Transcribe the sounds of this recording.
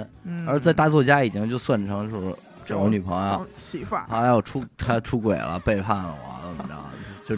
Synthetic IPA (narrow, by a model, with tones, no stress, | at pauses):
nə˞˧˥t͡sa˥˧ɪt̪a˥˧t͡swɔ˥˩t͡ɕja˥i˨˩t͡ɕi˥ŋt͡ɕjo˥˧ʊswa˥˩nʈ͡ʂʰɤ˧˥ŋt͡ɕjo˥˧ʊʂ | ʈ͡ʂny˨˩pʰɤ˧˥ŋjfa˥ɑ˨˥la˧˥ɪjɔ˨˩ʈ͡ʂʰu˥t̪ʰa˥ʈ͡ʂʰu˥kwe˨˩lə̰˦pe˥˧ɪfʰa˥˩nlə̰˨˩wɑ̰˧˥ə˧˩˧ɑ̰˧˥˧t͡ɕjo˥˧ʊ